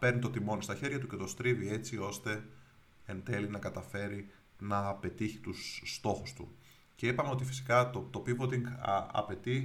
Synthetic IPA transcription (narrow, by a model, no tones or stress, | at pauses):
pe̞ɾnit̪o̞t̪imo̞nist̪ɐçe̞ɾʝɐt̪uce̞t̪o̞st̪ɾivie̞t͡sio̞st̪e̞ | end̪e̞linɐkɐt̪ɐfe̞ɾi | nɐpe̞t̪içi̥t̪usːt̪o̞xust̪ṵ | ce̞ipɐmeo̞t̪ifi̥si̥kɐt̪ot̪o̞pivot̪iŋɡɐ̰pe̞t̪i